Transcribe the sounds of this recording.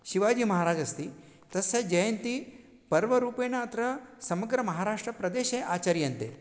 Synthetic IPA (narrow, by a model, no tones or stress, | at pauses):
ʃiʋaːd͡ʒiːmɐɦaːɾaːd͡ʒɐst̪i | t̪ɐsed͡ʒɐjɐnt̪i | pɐɾʋɐɾuːpeːnɐːt̪ɾɐsɐmɐɡɾɐmɐɦaːɾaːʂʈɾɐpɾɐd̪eːʃeːʔaːt͡ʃaːɾjɐnt̪ḛ